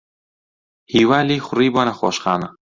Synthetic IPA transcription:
hiːwaːliːxʷʊriːboːnɐxo̰ːʃxaːnɐ

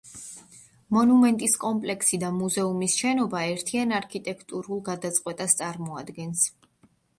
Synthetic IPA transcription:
mɔnumɛnt̪ʼiskʼɔmpʼlɛkʰsid̪amuzɛumisʃɛnɔbaɛɾt̪ʰianaɾkʰit̪ʼɛkʰt̪ʼuɾulˠɡad̪at̪sʼqʼwɛt̪ʼast̪sʼaɾmɔad̪ɡɛns

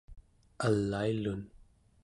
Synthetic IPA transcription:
alːailun

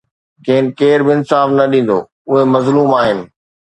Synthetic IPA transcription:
keːnɪkeːɾbɪɪnsaːfnɐɗĩːn̆d̪o̰ː | ʊɦemɐzluːmaːɦɪnɪ̆

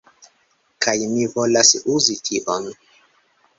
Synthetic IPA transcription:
kajmivolasuzitʰiʔon

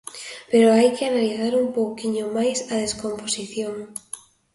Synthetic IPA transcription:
peɾoajkɪanaliθaɾumpowkiɲomajsɐðeskomposiθjoŋ

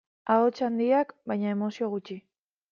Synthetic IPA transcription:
aot͡ʃand̪iakbajɲae̞mo̞sio̞ɣ̞ut͡ʃi

